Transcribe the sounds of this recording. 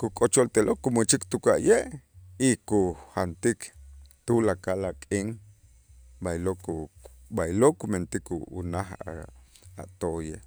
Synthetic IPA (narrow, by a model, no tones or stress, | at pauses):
kukʼot͡ʃolt̪eloʔkumut͡ʃikt̪ukaʔjeʔikuhant̪ikt̪ulakalakʼiŋ | bajloʔkubajloʔkument̪ikṵṵnaχ | a̰ʔt̪oʔje